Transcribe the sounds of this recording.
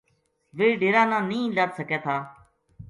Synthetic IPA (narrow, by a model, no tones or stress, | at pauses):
ʋeːɖeːɾãːnãːnĩːlaːt̪səkeːt̪ʰaː